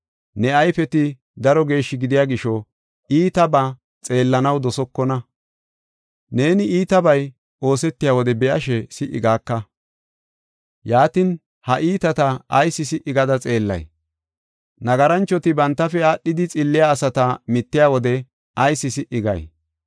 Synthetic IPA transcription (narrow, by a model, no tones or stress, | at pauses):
nɛɐjfɛt̪ɪ | d̪ɐɾɔɡe̞ːʃːɪɡɪd̪ɪjaːɡɪʃɔ | iːt̪ɐba | t͡sʼe̞ːlːɐnɐwd̪ɔsɔkːɔnɐ | ne̞ːnɪiːt̪ɐbɐj | o̞ːsɛt̪ːɪjaːwɔd̪ɛbɛʔɐʃɛsɪʔɪ̰ɡaːkːɐ | jaːt̪ɪn | hɐʔiːt̪ɐt̪ɐɐjsɪsɪʔɪɡɐd̪ɐt͡sʼe̞ːlːɐ̰j | nɐɡɐɾɐnt͡ʃːɔt̪ɪbɐnt̪ːɐfɛaːɗːɪd̪ɪt͡sʼɪlːɪjaːsɐt̪ɐmɪt̪ːɪjaːwɔd̪ɛ | ɐjsːɪsɪʔɪɡɐ̰j